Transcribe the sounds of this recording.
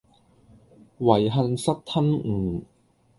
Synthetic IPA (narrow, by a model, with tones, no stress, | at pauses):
wɐ˨˩jɦɐ˧nsɐ˥t̚t̪ʰɐ˥nŋ̩˨˩